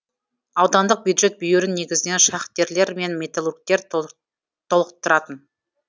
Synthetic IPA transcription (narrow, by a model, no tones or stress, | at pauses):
ɑwd̪ɑnd̪əq̚bjud̪ʒe̞t̪̚bʏjeɾɪnːe̞ɡʲɪzɪne̞nʃɑχt̪̚kʲe̞ɾle̞ɾme̞nmʲe̞t̪alˠurk̚t̪e̞ɾ | t̪ʰo̞lˠqə̥t̪ːəɾɑt̪ən